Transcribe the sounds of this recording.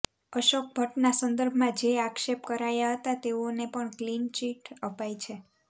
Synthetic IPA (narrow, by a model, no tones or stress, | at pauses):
əʃok̚bʱəʈnasənd̪əɾbʱmãd͡ʒeakʃepkəɾajaɦət̪at̪eonepəɳklint͡ʃiʈəpajt͡ʃʰe